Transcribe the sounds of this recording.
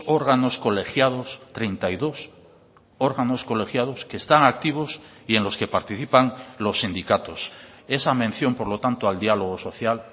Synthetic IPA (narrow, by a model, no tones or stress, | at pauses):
oɾɣano̞sko̞le̞xjað̞o̞st̪ɾejnt̪aiðo̞s | o̞ɾɣano̞sko̞le̞xjað̞o̞ske̞ːst̪aŋak̚t̪iβ̞o̞s | ie̞nlo̞ske̞paɾt̪iθipaŋlo̞sːind̪ikat̪o̞se̞samẽ̞n̟θjo̞mpo̞ɾlo̞t̪ant̪oald̪ialoɣ̞oso̞θjal